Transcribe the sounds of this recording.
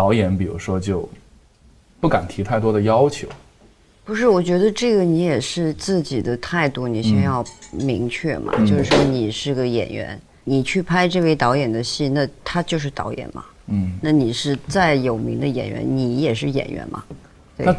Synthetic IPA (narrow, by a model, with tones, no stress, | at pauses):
t̪ɑ˧˥ʊjɛ˧˥npi˨˩ɻṵ˧˥ʂwɔ˥t͡ɕjo˥˧ʊ | pu˥˩ka˨˩nt̪ʰi˧˥t̪ʰa˥˩ɪt̪wɔ˥d̪ə˨jɑ˥ʊt͡ɕʰjo˧˥ʊ | pu˧˥ʂɻ̩˥˩wɔ˨˩t͡ɕɥɛ˧˥d̪ə˧ʈ͡ʂɤ˥˩ɡə˩ni˧˥jɛ˨˩ʂɻ̩˥˧t͡sɹ̩˥˩t͡ɕi˨˩d̪ə˦t̪ʰa˥˧ɪt̪u˥˩ni˨˩ɕɛ˥˧jɑ˥˩ʊmi˧˥ŋt͡ɕʰɥɛ˥˩mʔɐ̰˩t͡ɕjjo˥˧ʊʂɻ̩˥˩ʂwɔ˥ni˨˩ʂɻ̩˥˩ɡə˩jɛ̰˨˩nɥɛ̰˧˥n | ni˨˩t͡ɕʰy˥˩pʰa˥ɪʈ͡ʂɤ˥˧we˥˩ɪt̪ɑ˧˥ʊjɛ˨˩nd̪ə˦ɕi˥˧na˥˧t̪ʰa˥t͡ɕjo˥˧ʊʂ̬ɻ̩˥˩t̪ɑ̰˧˥ʊjɛ̰˨˩nmɐ̰˩ | n̩˥˩na˥˩ni˨˩ʂɻ̩˥˧t͡sa˥˩ɪjo˨˩ʊmi˧˥ŋd̪ə˧jɛ̰˨˩nɥɛ̰˧˥nni˧˥jɛ˨˩ʂɻ̩˥˩jɛ̰˨˩nɥɛ̰˧˥nmɐ̰˧ | t̪we˥˩n˥